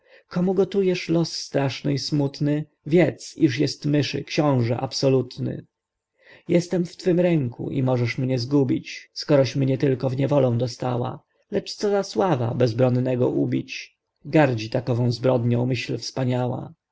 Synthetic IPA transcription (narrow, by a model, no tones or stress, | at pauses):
kɔmuɡɔt̪ujɛʂlɔsːt̪ɾaʂnɘismut̪nɘ | vʲjɛt̪siʂjɛst̪mɘʂɘ̰kɕɔ̃w̃ʐɛ̰ʔapsɔlut̪nɘ̰ | jɛst̪ɛmft̪fɘmɾɛŋkṵʔḭmɔʐɛʂmɲɛzɡubʲit͡ɕskɔɾɔɕmɲɛt̪ɘlkɔvɲɛvɔlɔ̃w̃d̪ɔst̪awa̰ | lɛt͡ʂt̪sɔzaswava̰bɛzbɾɔnːɛɡɔ̰ʔubʲit͡ɕ | ɡaɾd͡ʑit̪akɔvɔ̃w̃zbɾɔd̪ɲɔ̃w̃mɘɕlfspaɲawa̰